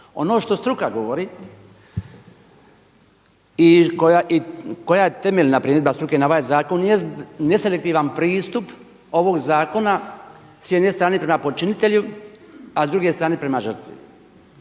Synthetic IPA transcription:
o̞no̞ːʃt̪o̞st̪ɾukaɡo̞ʋoɾi | ikojaʔiko̞jajet̪e̞meʎnapɾiːmed̪̚bast̪ɾukenaoʋaːjzaːko̞njest̪ne̞se̞lek̚t̪iːʋanpɾiːst̪up | o̞ʋo̞ɡzaːko̞na | sjed̪nest̪ɾaːnepɾemapo̞t͡ʃinit̪e̞ʎu | azd̪ɾuɡe̞st̪ɾaːnepɾe̞maʒr̩t̪ʋḭ

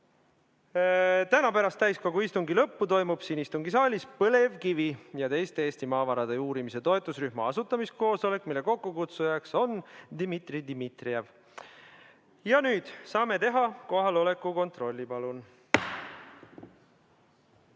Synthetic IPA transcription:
t̪ænɑpæɾɑst̪æjsko̞ɡuist̪uŋɡilɤpːut̪o̞jmub̥siːnist̪uŋɡisɑːlʲispɤle̞vkivijɑt̪e̞jst̪eeːst̪imɑːvɑɾɑd̪e̞uːɾimise̞t̪o̞et̪ːˑusryhmɑ̰ɑsut̪ːˑɑmist̪̚ko̞ːso̞le̞kːˑmilːeko̞kːukut̪sujɑkso̞nd̪̥imit̪rid̪imit̪riev | jɑnyːd̪̥sɑːme̞t̪e̞ɦɑko̞ɦɑlo̞le̞kːˑuko̞nt̪ro̞lʲːipɑlun

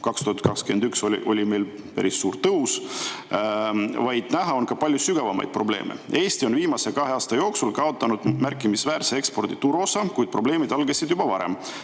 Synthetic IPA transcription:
kɑkst̪uhɑt̪̚ˑkɑkskyend̪ykso̞lḭʔo̞lʲime̞jl | pæɾisːuːɾt̪ɤus | vɑjd̪̥næɦɑo̞nkɑpɑlʲjusyɡ̥ɑvɑmɑ̰jd̪̚pro̞ble̞̰ːmʔe̞̰e̞ːsʲt̪io̞nviːmɑsekɑɦeɑːst̪ɑjo̞ːksulkɑo̞t̪ːˑɑnud̪̥mærkːˑimisvæːɾseekspo̞rd̪̥it̪uɾo̞sɑkujd̪̥̚pro̞ble̞ːmid̪̥ɑlɡesid̪̥jubɑvɑɾe̞̰m

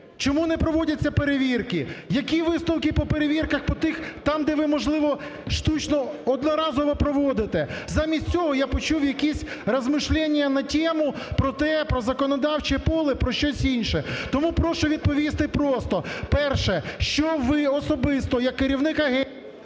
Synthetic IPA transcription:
t͡ʃɔmunɛpɾɔʋɔdʲɐt͡sʲːɐpeɾeʋʲirkɪjɐkʲiʋɪst̪ɔwkɪpɔpeɾeʋʲirkɐxpɔt̪ɪxt̪ɑmd̪ɛʋɪmɔʒlˠɪʋɔ | ʃt̪ut͡ʃnɔɔd̪nɔɾɑzɔʋɔpɾɔʋɔd̪ɪt̪ɛzɑmʲisʲtʲt͡sʲɔɦɔjapɔt͡ʃuwjɐkʲisʲrɐzmɪʃlʲɛnʲːjɐnɐtʲɛmʊ | pɾɔt̪ɛpɾɔzɐkɔnɔd̪ɑwt͡ʃipɔlˠɪpɾɔʃt͡ʃɔsʲinʲʃɛt̪ɔmupɾɔʃʊʋʲid̪̚pɔʋʲist̪ɪpɾɔst̪ɔpɛrʃɛʃt͡ʃɔʋɪɔsɔbɪst̪ɔjɐkːɪɾʲiwnɪkɐɦɛ

